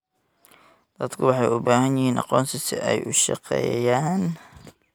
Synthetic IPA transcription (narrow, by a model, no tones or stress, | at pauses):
d̪̥ɐd̪kʰʊwɑħɑjʊbaːhɐnjɪhiːnʔɑ̰qɔːnt̪ɪsɪ̰ʔɛjʔʊʃɑ̰qɛ̰ːjaːn